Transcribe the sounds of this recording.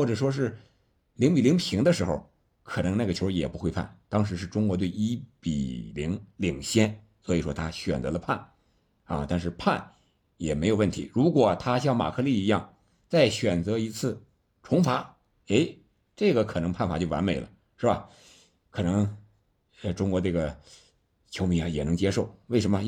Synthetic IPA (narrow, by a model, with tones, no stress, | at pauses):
xwɔ˥˩ʈ͡ʂɤ˨˩ʂwɔ˥ʂ̬ɻ̩˥˩ | li˧˥ŋpi˨˩li˧˥ŋpʰi˧˥ŋd̪ə˧ʂɻ̩˧˥xo˥˧ʊ | kʰɤ˨˩nɤ˧˥ŋna˥˩ɡə˩o˧˥˧jɛ˨˩pu˧˥xwe˥˧ɪpʰa̰˥˩nt̪ɑ˥ŋʂ̬ɻ̩˧˥ʂ̬ɻ̩˥˩ʈ͡ʂʊ˥ŋkwɔ˧˥t̪we˥˩ɪi˥pḭ˨˩li˧˥ŋli˨˩ŋɕjɛ˥n | swɔ˧˥i˨˩ʂwɔ˥t̪ʰa˥ɕɥɛ˨˩nt͡sɤ˧˥lə˧pʰa˥˩n | ɐ̰˧t̪a˥˧nʂ̬ɻ̩˥˧pʰa˥˩n | jɛ˨˩me˧˥ɪjwə˥˩nt̪ʰi˧˥ɻu˧˥kwɔ˨˩t̪ʰa˥ɕ̬jɑ˥˩ŋma̰˨˩kʰɤ˥˧li˥˩i˧˥jɑ˥˧ŋ | t͡sa˥˩ɪɕɥɛ˨˩nt͡sɤ˧˥i˧˥t͡sʰɹ̩˥˩ | ʈ͡ʂʰʊ˧˥ŋfa˧˥ | e˥ɪ | ʈ͡ʂɤ˥˩ɡə˩kʰɤ˨˩nɤ˧˥ŋpʰa˥˩nfa˨˩t͡ɕjo˥˩ʊwa̰˧˥nme˨˩ɪlə̰˦ | ʂɻ̩˥˩ba˨˩ | kʰɤ˨˩nɤ˧˥ŋ˧ | ʈ͡ʂʊ˥ŋkwɔ˧˥ʈ͡ʂɤ˥˩ɡə˩ | t͡ɕʰjo˧˥ʊmi˨˧˩a˧jɛ˨˩nɤ˧˥ŋt͡ɕjɛ˥ʂo˥˩ʊwɪʂə˧˥mə˧